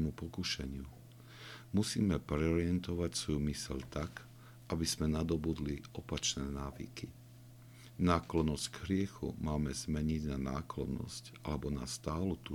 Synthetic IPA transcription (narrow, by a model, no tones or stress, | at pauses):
mupɔkuʃɛɲɪu | musiːmɛpɾɛɔɾɪɛnt̪ɔʋacsʋɔjumisɛʎt̪ak | ʔabiz̥mɛnad̪ɔbud̪liʔɔpat͡ʃnɛːnaːʋḭki | naːklɔnɔscɡɦɾɪɛxṵmaːmɛzmɛɲiɟnanaːklɔnɔ̰scʔa̰lɛbɔnast̪aːlut̪u